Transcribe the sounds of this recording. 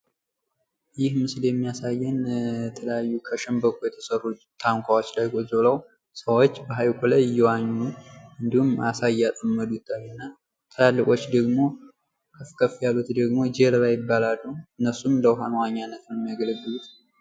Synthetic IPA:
jɪhmɨsljɛmːijasajːɛnɛt̪ʰələjajːukʰəʃəmbəkʰʷujɛt̪ʰə̥sərːut̪ʰːaŋkʷʰawo̞t͡ʃːlajɡozoləw | səwot͡ʃːbəɦajkʷʰʼoləjjɛwaɲːuɨnd̪ihuma̰sajːat̪ʼəmːəd̪ut̪ʰːalɨnːa | t̪ʰəlalːɨkʼo̞t͡ʃːd̪əɡmo̞ | kʰəfkʰəfijalut̪d̪əɡmo̞d͡ʒeɾβajɪbːalalːuɨnːəsumləwɦanwaɲːanːət̪njɛmːijaɡələɡːɨlut̪

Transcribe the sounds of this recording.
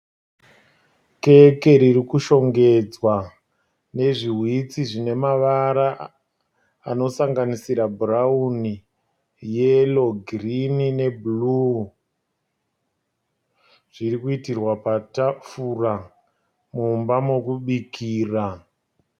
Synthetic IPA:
ke̞ke̞ɾirikuʃo̞ŋɡe̞d͡zwa | ne̞ʐiɦwit͡siʐine̞maʋaɾa | ano̞saŋɡanisiɾabʱurauni | je̞loɡʱrinine̞bulu | ʐ̥irikuitirwapatafura | mumbamokuɓikʰiːra

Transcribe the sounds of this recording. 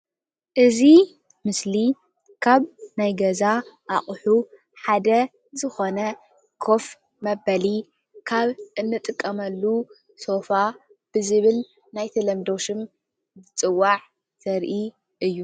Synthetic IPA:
ʔɨzi | mɨsli | kʰaβnajɡɐzaʔaχʼħu | ħad̪ɐ | zɨxo̞nɐ | kʰo̞f | mɐbɐli | kʰaβʔɨnːɨt̪ʼɨkʼːɐmɐlːu | so̞fa | b̥ɨzɨβɨl | najt̪ʰɐlɐmd̪o̞ʃɨm | bɨt͡sʼɨwːaʕ | t̪ʰɐɾʔi | ʔɨjːu

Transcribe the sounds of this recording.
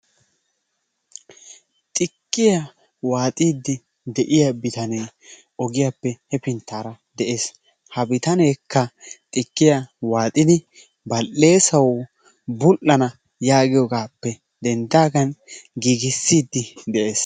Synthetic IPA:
t̪ʼɪkːɪja | waːt̪ʼiːd̪ːɪ | d̪ɛʔɪjabɪt̪ɐnej | ɔɡɪjapːɛhɛpɪnt̪ːaːɾɐ | d̪ɛʔe̞ːs | hɐbɪt̪ɐneːkːɐt̪ʼɪkːɪjawaːt̪ʼɪd̪ɪ | bɐlːe̞ːsɐw | bʊlʔːɐnɐ | jaːɡɪjɔɡaːpːɛ | d̪ɛnd̪aːɡɐnɡiːɡɪsːiːd̪ːɪd̪ɛʔe̞ːs

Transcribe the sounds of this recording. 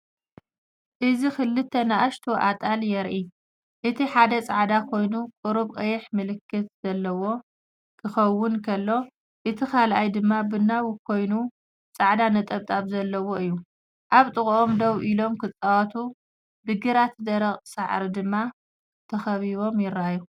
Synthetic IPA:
ʔɨzixɨlːɨt̪ʰːɐnaʔaʃt̪ʰoʔat̪ʼaljɛɾʔi | ʔɨt̪ʰiħad̪ɐt͡sʼaʕd̪akʰo̞jnukʼɨɾuβkʼɐjɪħmɨlɨkʰːɨt̪z̥ɐlːɐwo̞ | kʰɨxɐwːʊnkʰɐlːo̞ | ʔɨt̪ʰikʰalʔajd̪ɨmːabɨnːawʊkʰo̞jnu | t͡sʼaʕd̪anɐt̪ʼɐβt̪ʼaβzɐlːɐwo̞ʔɨjːu | ʔaβt̪ʼɨɣʼʔomd̪ɐwʔilo̞mkʰɨt͡sʼawɐt̪ʰu | bɨɡɨɾat̪d̪ɐɾɐχʼsaʕɾid̪ɨmːa | t̪ʰɐxɐβiβo̞mjɪɾaju

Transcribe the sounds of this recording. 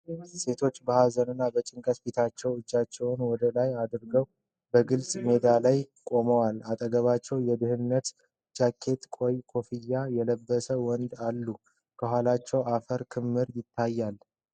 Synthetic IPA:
se̞t̪ʰo̞t͡ʃːbəhazənɨnːabət͡ʃʼɪŋkʼəsfit̪ʰat͡ʃːɛwɨd͡ʒːat͡ʃːɛwnwɔd̪əlajad̪ɾɡəw | bəɡɨlsʼme̞d̪alajkʼo̞məwalat̪ʼəɡəβat͡ʃːɛwjɛd̪ɨhɨnːət̪ | d͡ʒakʰːe̞t̪kʼo̞jkʰo̞fijːajɛləbːəsəwɔnd̪alːu | kʰəɦʷalat͡ʃːɛwafəɾkʰɨmːɨɾjɪt̪ʰːajːal

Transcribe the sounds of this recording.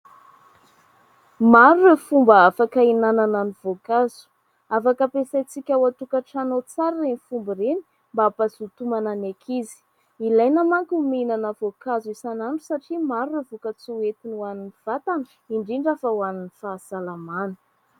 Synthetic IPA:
maɾuɾefumbaafakəinanananiv̥okazu̥ | afakəpesajt͡sikʲawat̪ukaʈ͡ʂanot͡saɾirenifumbiɾeni̥ | mbaapasut̪umananekʰizi̥ | ilajnamaŋkuminanəvokazuisanaɳɖ͡ʐusaʈ͡ʂimaɾuevukət͡suet̪inuaniniv̥at̪an | iɳɖ͡ʐiɳɖ͡ʐafəwaninifaːsalamanə̥

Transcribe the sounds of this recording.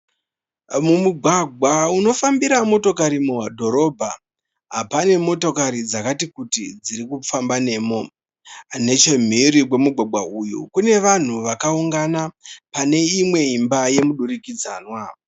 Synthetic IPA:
mumuɡʱwaɡʱwauno̞fambiɾamo̞to̞kaɾimuwadʱo̞ɾo̞ːbʱa | ɦapane̞mo̞to̞kaɾid͡zakatikutid͡ziɾikufambane̞ːmo̞ | ne̞t͡ʃem̤iɾikwe̞muɡʱwaɡ͡bʱwaujṵkune̞ʋan̤uʋakauŋɡanapane̞imwe̞imbaje̞muɗuɾikid͡za̰ːnwa

